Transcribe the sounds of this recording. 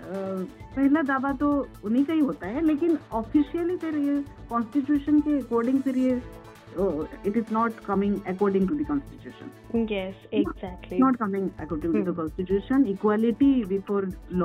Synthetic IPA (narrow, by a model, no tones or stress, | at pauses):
pəɦilad̪abat̪ounikaɦiɦot̪aɦɛlekinɔfiʃiəlit̪eɾekɔnsʈiʈjuːʃənkeːkɔːɾɖɪ̃ŋfiɾie | ɪʈɪznɔʈkɐmɪ̃ŋəkɔːɾɖɪ̃ŋʈud̪ikɔ̃nsʈit͡ʃjuːʃə̰̃n | jɛsezæk̚ʈʰlinɔʈkɐmɪ̃ŋɛ̰kɔːɾɖĩŋud̪əkɔ̃nsʈiʈjuːʃənikwaliʈibifʰoɾlɔ